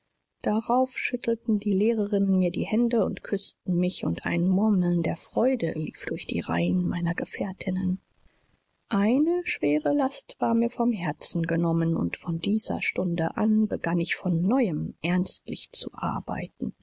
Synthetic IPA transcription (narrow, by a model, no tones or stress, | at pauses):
d̥aʁaʊfʃʏtʰl̩tn̩diːleːʁəʁɪnənmiːɐdiːhɛndəʊ̰ntkʰʏstn̩mɪçʊ̰ntʔa̰ɪnmʊɐml̩ndeːɐfʁ̥ɔʏdəlḭːfd̥ʊɐçd̥ḭːʁa̰ɪənmaɪnɐɡəfɛːɐtʰɪnən | ʔaɪnəʃv̥eːʁəlastv̥aːɐmiːɐfɔmɦɛɐt͡sn̩ɡənɔmənʊ̰ntfɔndiːzɐ̰ʃtʊndəʔanbəɡanɪçfɔnːɔʏəmʔɛɐnstlɪçt͡suʔa̰ɐba̰ɪtn̩